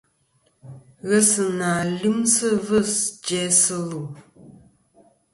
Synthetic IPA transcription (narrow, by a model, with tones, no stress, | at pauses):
ɣə˦sə˨naː˨li˦msə˦və˦sd͡ʒɛ˦sə˦lu˨